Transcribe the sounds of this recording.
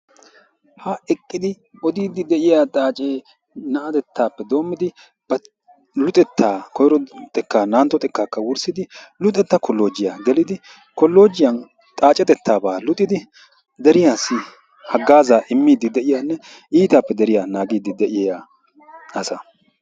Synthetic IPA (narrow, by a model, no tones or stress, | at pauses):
hɐɛkʼːɪd̪ɪ | ɔd̪iːd̪ːɪd̪ɛʔɪjat̪ʼaːt͡ʃʼeː | nɐʔɐt̪ɛt̪ʰːaːpːɛd̪o̞ːmːɪd̪ɪ | b̥ɐ | lʊt̪ʼɛt̪ːaːkɔjɾɔt̪ʼɛkːaːnaːnt̪ːɔt̪ʼɛkːaːkːɐwʊɾsɪd̪ɪlʊt̪ʼɛt̪ːɐkɔlːoːd͡ʒɪjaɡɛlɪd̪ɪ | kɔlːo̞ːd͡ʒɪjɐn | t̪ʼaːt͡ʃʼːɛt̪ɛt̪ʰːaːbaːlʊt̪ʼːɪd̪ɪ | d̪ɛɾɪjaːsɪ | hɐɡːaːzaːʔɪmːiːd̪ːɪd̪ɛʔɪjaːnːɛ | ʔiːt̪apːɛd̪ɛɾɪjanaːɡiːd̪ːɪd̪ɛʔɪjaː | ɐsɐ